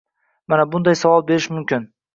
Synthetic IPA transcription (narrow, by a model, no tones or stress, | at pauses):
manabʊnd̪ajsavɒlˠbe̞ɾɪʃmʊmkʲɪn